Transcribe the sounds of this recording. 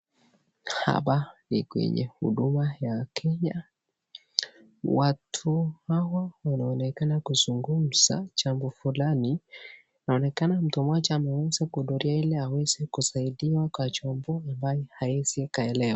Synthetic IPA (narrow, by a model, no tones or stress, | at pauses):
ha̰ɓanḭkwɛ̰ɲɛ̰hṵɗumajakʰɛɲa | watʰuhawawanaɔnɛkanakuzuŋɡum̩z̥a̰t͡ʃambɔfulani | naɔnɛkanam̩tumɔt͡ʃɛmɛwɛzɛkuɗɔɾiailɛawɛzɛkusaiɗiwakwat͡ʃɔmbɔambajɔhaizikaɛlɛwa